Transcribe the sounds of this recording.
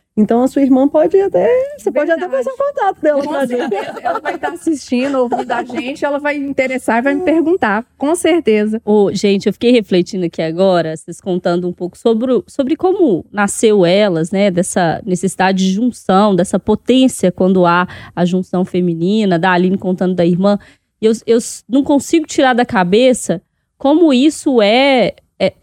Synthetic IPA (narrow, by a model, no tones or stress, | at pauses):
ẽt̪ɐ̃w̃ɐsuɐiɾmɐ̃pɔd͡ʒɪat̪ɛsepɔd͡ʒɪat̪ɛfasãkõt̪at̪ʊd̪ɛlɐɛzeɛɛlɐvajt̪aasiʃt͡ʃĩd̪ovĩd̪aʒẽt͡ʃɪɛlɐvajĩt̪eɾesaɾivajmɪpeɾɡũnt̪akõseɾt̪ezɐoʒẽt͡ʃɪewfi̥kejheflet͡ʃĩnd̪ʊɐkiaɡɔɾɐseskõnt̪ɐ̃nd̪ʊũpowkʊ̥sobɾʊsobɾɪkõmʊnasewɛlɐznɛd̪ɛsɐnesesid̪ad͡ʒɪd͡ʒɪʒũsɐ̃w̃d̪ɛsɐpot̪ẽsijɐkwɐ̃nd̪ʊaɐʒũsɐ̃w̃femĩnĩnɐd̪aalĩnɪkõnt̪ɐ̃nd̪ʊd̪ɐiɾmɐ̃ | ewewnɐ̃w̃kõsiɡʊt͡ʃiɾaɾd̪ɐkabesɐ | kõmʊisʊɛ | ɛ